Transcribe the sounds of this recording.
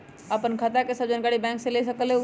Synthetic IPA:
əpənkʰət̪akesəbd͡ʒənkaɽibɛ̃ŋksẽlesəkəleu

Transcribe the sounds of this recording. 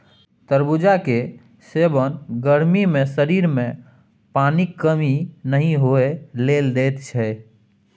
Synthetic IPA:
t̪əɾbud͡ʒake | sebənɡəɾmimẽsəɾiɾmẽ | panikːəminəɦĩɦoeleld̪et̪t͡ʃʰɛ

